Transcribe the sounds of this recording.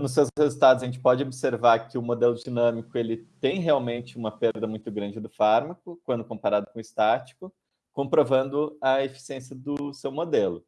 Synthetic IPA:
nʊs̬ːewzhezut̪ad̪ʊzɐʒẽnt͡ʃɪ̥pɔd͡ʒɪobiseɾvaɾkɪʊmod̪elʊd͡ʒinɐ̃mikʊelɪt̪ẽj̃ɦeawmẽnt͡ʃɪũmɐpeɾd̪ɐmũj̃t̪ʊɡɾɐ̃nd͡ʒɪd̪ʊfaɾmɐkʊkwɐ̃nd̪ʊkõpaɾad̪ʊkõɪst̪at͡ʃi̥kʊ | kõpɾovɐ̃nd̪ʊɐefi̥siẽsiɐd̪ʊsewmod̪elʊ

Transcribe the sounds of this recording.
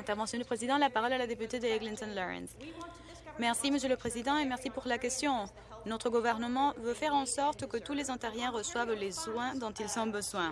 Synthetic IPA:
ɛ̃t̪ɛʁvɑ̃sjɔ̃d̪ypχezid̪ɑ̃lapaʁɔlalad̪epyt̪ed̪əɡlĩnt̪ɔnlɔʁɛ̰̃ns | mɛʁsiməsjøləpχezid̪ɑ̃emɛʁsipuʁlakɛst̪jɔ̃ | nɔt̪χəɡuvɛʁnəmɑ̃vøfɛʁɑ̃sɔʁt̪kət̪ulezɑ̃t̪ɛʁjɛ̃ʁəswavlezwɛ̃d̪ɔ̃t̪ilsɔ̃bəzwɛ̃

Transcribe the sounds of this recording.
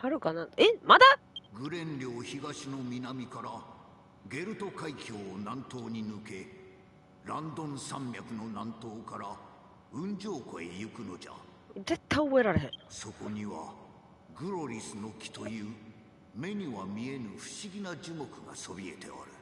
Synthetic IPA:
haɾɯ̟kanaemad̪aɡɯ̟ɾẽ̞nɾʲo̞ːçiɡaɕino̞mʲinamʲikaɾa | ɡe̞ɾɯ̟t̪o̞kaikʲo̞ːnãnt̪o̞ːɲ̟inɯ̟ke̞ | ɾãnd̪õ̞ɰ̃sãmbʲakɯ̟no̞nãnt̪o̞ːkaɾa | ɯ̟̃ɲd͡ʑo̞ːkoḛjɯkɯ̟no̞d͡ʑa̰ | d͡ze̞t̪ʰːaoβeɾaɾeɦeso̞ko̞ɲ̟iβa | ɡɯ̟ɾo̞ɾʲisɨno̞kʲi̥t̪o̞jɯː | me̞ɲ̟iβamʲie̞nɯ̟ɸɯ̟̥ɕiɡʲinad͡ʑɨmo̞kɯ̟ɡaso̞bʲie̞̰t̪e̞̰a̰ɾɯ̟

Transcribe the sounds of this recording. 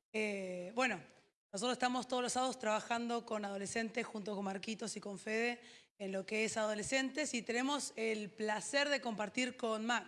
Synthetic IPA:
ebwe̞no̞ | nosot̪ɾosest̪amost̪oð̞losaðost̪ɾaβaxand̪o̞ko̞nað̞o̞le̞se̞nt̪esxunt̪o̞ko̞nmaɾkit̪o̞siko̞ɱfeðeː | nlo̞keesaðo̞le̞se̞nt̪e̞sit̪e̞ne̞mo̞selplaseɾðeko̞mpaɾt̪iɾko̞nma

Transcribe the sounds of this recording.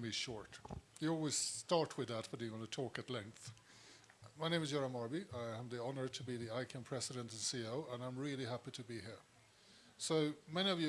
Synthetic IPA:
miʃɔɹtjəɔlˠwiz̥stɑɹt̚ʰwɨðət̚b̥ʌtəɡɑnətʰɔkɨtˡlɛ̃ŋk̚θ | maɪñẽɪmɪzd͡ʒɛɹə̃mɑɹbiaɪə̃mðiɑnə˞ɾʰəbiðiaɪkʰɨ̃npʰɹ̥ɛsɨɾə̃ntɨ̃nsioʊə̃nãɪ̃mɹɪlˠiɦæpiɾɨbiɦiɹ | soʊmɛñiʌvjɨ

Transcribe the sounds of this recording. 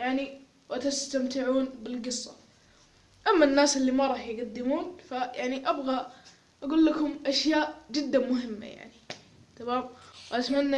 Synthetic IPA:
jaʕni | wɪt̪ɪst̪amt̪ɪʕuːnbɪlɡɨsˤːɑ̰ | ʔamːanːaːsʔɪlːimaɾˤɑːħjɡad̪ːɪmuːnfajaʕniʔabɣa | ʔaɡuːlːakʊmʔaʃjaːʔd͡ʒɪd̪ːamʊɦɪmːa̰ja̰ʕni | t̪ʰamaːmwʔat̪manːa

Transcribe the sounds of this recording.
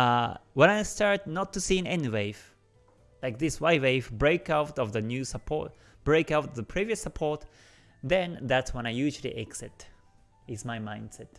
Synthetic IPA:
wə̃naɪstɑɹt̚nətʰːɨsiɨ̃nɛ̃niweɪv̥ | laɪk̚ðɪswaɪweɪvbɹeɪkaʊtʌvðɨnjʉsəpʰɔ̰ɹt | b̥ɹeɪkaʊtʌvðəpʰɹ̥iviɨsːəpʰɔɹt | ðɛ̃nðætswə̃ñaɪjʉʒl̩ˠḭʔɛksɛt | ɪtsmaɪmãɪ̃nd̥sɛt̚

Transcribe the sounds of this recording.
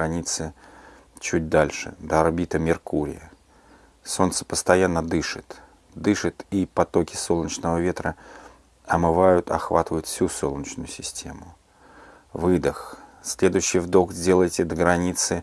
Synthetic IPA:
ɐnʲit̪sɨ | t͡ɕut̚ʲd̪alʲʂɨ̰d̪əɐrbʲit̪əmʲɪrkuɾʲɪ̰jə | so̞nt̪sə̥pəst̪ɐjanːəd̪ɨʂɨt̪ | d̪ɨʂɨt̪ipɐt̪o̞kʲɪ̥so̞lˠnʲət͡ɕnəvəvʲe̞t̪ɾə | ɐmɨvajʊt̪ʰɐ̰xva̰t̪ɨvəjʊt̪fsʲuso̞lˠnʲət͡ɕnʊjʊsʲɪsʲtʲʰe̞mʊ | vɨd̪əxsʲlʲe̞d̪ʊjɕːɪjvd̪okzʲdʲe̞lˠəjtʲɪd̪ɡɾɐnʲit̪sɨ

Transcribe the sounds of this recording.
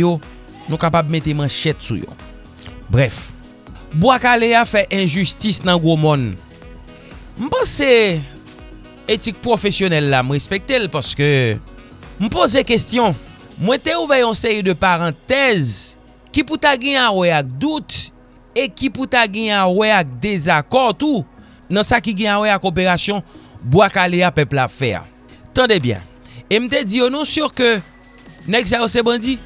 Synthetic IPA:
jo | nũkapabmẽt̪emãʃɛt̪sṵjo̰ | bʁɛf | bwakaleafɛʔɛ̃ʒystisnɐ̃ɡomɔ̃n | m̩pãse | etik̚pʁofesjonɛlːam̩ɣespek̚t̪elpaʁskø | m̩pozekestjɔ̃ | mwɛ̃t̪euvɛjɔ̃seʁid̪øpaʁɑ̃t̪ɛz | kiput̪aɡɛ̃awɛak̚d̪ut̪ | ekiput̪aɡɛ̃awɛak̚d̪ezakɔt̪u | nɐ̃sakiɡɛ̃awɛakopeʁasjɔ̃bwakaleapœplapfɛ̰a̰ | t̪ɑ̃d̪ebjɛ̰̃ | em̩t̪ed͡zijonɔ̃syʁkø | nɛɡs̬ajosebãdi

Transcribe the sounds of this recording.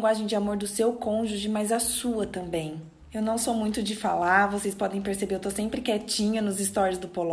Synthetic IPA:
ŋɡwaʒẽj̃d͡ʒɪamoɾd̪ʊsewkõʒuʒɪmajzasuɐt̪ɐ̃mbẽj̃ | ewnɐ̃w̃somũj̃t̪ʊd͡ʒɪfalaɾvosejspɔd̪ẽj̃peɾsebeɾewt̪osẽmpɾɪkɛt͡ʃĩɲɐnʊzɪst̪ɔɾjʊzd̪ʊpol

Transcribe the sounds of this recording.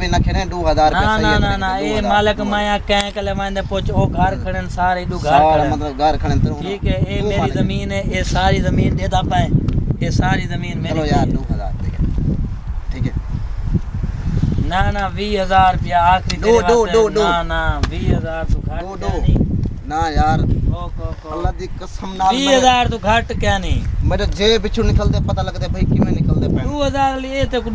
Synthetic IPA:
ʋiːnəkʰeɽẽːɗoːɦəzaːɾnaːnaːnaːnãːeːmaːləkmãːjãːkə̃ːkəleːʋãːnd̪ẽːpʊt͡ʃoːkaːɾkʰəɽensaːɾeːɪɗũːɡʱəɾə̃ːmət̪ləɡʱəɾkʰəɽẽːt̪əɾːʈʰiːkɦɛːeːmeːɾiːzəmiːneːeːsaːɾiːzəmiːnɗeːd̪aːpaːẽːeːsaːɾiːzəmiːnmeːlːjaːoːɦəza̰ːɾʰiːk | ʈʰiːkɛː | naːnaːʋiːɦəzaːɾpɪjaːaːkʰɾiːneːʋoːoːɗoanaːʋiːɦəzaːɾt̪oːkʰəoːɗoːniːnaːjaːɾoːkoːkoəlːaːd̪iːkəsəmnaːʋiːɦəzaːɾt̪õːkʰəʈkɛːnĩːmẽlːd͡ʒeːbɪt͡ʃʰũːnɪkəlt̪eːpət̪aːləɡt̪eːbʱəiːkɪmẽːnɪkəlt̪eːpɛ̃ːnoːɦəzaːɾliːeːt̪eːk

